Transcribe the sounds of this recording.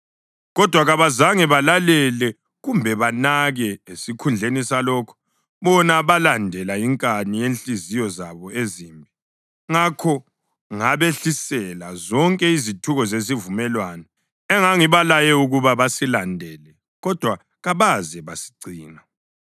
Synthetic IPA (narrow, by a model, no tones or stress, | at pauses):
ɣɔd̥ʱwaɣaβazaŋɛβalalɛlɛ | ɣumbʱɛβanaɣɛesikʰund͡ɮʱenisalɔːkʰɔ̥ | βɔnaβalandʱɛlaiŋkʼanijent͡ɬʼizijɔzaβɔezimbʱi | ŋakʰɔ | ŋaβeɬisɛlazɔŋkʼɛizitʰuɣɔzezivumɛlwanɔ | ɛŋaŋiβalajɛuɣuβaβasilandʱɛːlɛ | ɣɔd̥ʱwa | ɣaβazɛβasi̥ɡ͡ǀʱiːna